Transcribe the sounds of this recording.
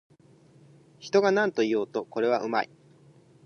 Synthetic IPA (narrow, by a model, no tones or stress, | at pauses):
çi̥t̪o̞ɡanãnt̪o̞ijo̞ːt̪o̞ko̞ɾe̞β̞aʔɯ̟ma̰i